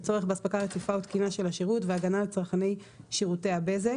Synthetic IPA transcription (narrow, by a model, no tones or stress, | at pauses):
t͡so̞ʁe̞χbeaspakalet̪ifaut̪kinaʃe̞laʃiʁutveaɡanalt͡sʁaχanej | ʃiʁuteabeze